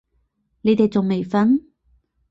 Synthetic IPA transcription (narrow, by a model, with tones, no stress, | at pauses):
ne˨˧jt̪e˨jt͡sʊ˨ŋme˨jfɐ˥n